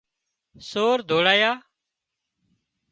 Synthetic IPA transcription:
soːɾd̪ʱoːɽaːjaː

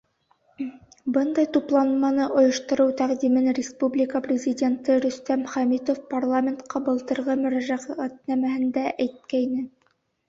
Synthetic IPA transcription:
bɤnd̪ɑjt̪uplˠɑnmɑnɤʔŏjɤ̆ʃt̪ɤ̆ɾɤwt̪æqd̪imɘnrʲɪspublʲɪkəprʲɪzʲɪdʲe̞nt̪ɤɾɵ̆st̪æmχæmʲit̪ofparlˠamʲent̪qɑbɤ̆lˠt̪ɤ̆ɾʁɤmɵ̆ɾæʒæʁæʁæt̪̚næmæhɘnd̪æʔæjt̪̚kæjnɘ

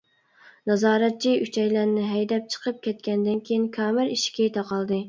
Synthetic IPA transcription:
nɑzɑːɾɛt̪̚t͡ʃʰiʔyt͡ʃʰɛjlæɾnɪɦɛjd̪ɛp̚t͡ʃʰə̥qʰəp̚kʲɛt̪̚kʲɛnd̪ɪnkʲʰejinkʰʲɑːmɪɾiʃkʲɛt̪ʰɑqɑlˠd̪ɨ

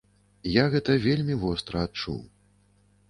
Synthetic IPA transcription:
jaɣɛt̪ɐvʲelʲmʲivɔst̪ɾɐat̪̚t͡ʂṵw

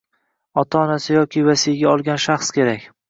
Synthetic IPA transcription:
ɒt̪ʰaɒnasɪjɒkʲʰɪvasijɡʲaɒlˠɡʲanʃaχskʲʰe̞ɾakʲ

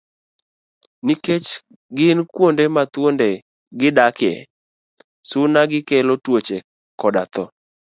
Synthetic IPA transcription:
niket͡ʃ | ɡɪnkwondemat̪wondɛ | ɡɪdakɛ̰ | sʊnaɡɪkɛlotwot͡ʃe | kɔdat̪ɔ

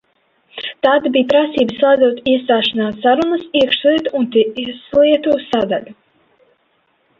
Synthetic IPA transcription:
t̪aːd̪biːpɾasiːbɨslˠajd̪ɔt̪iɛst̪aːʃanaːsːaɾunɐsiɛkʃlˠiɛt̪uunt̪iʔislˠiɛt̪uːsad̪a̰lʲu

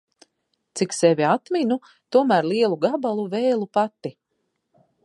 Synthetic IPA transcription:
t̪siksɛvʲiat̪minu | t̪uɔmæːɾlˠiɛlˠuɡabalˠuveːlˠupat̪ːi

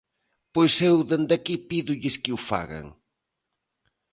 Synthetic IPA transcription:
pojsewðend̪akipiðʊʎɪskɪufa̰ɣa̰ŋ

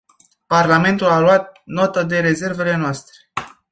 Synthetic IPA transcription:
parlame̞nt̪ulaluat̪̚not̪əd̪e̞ɾe̞ze̞rve̞le̞noast̪ɾe̥

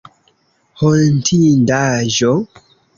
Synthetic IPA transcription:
holntʰindaʒo

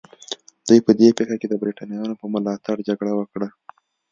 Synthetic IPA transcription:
d̪̥ujpəd̪epexaked̪əbɾiʈɑnijɑnopəmʊlɑt̪aɽd͡ʒaɡɽawəkɽa

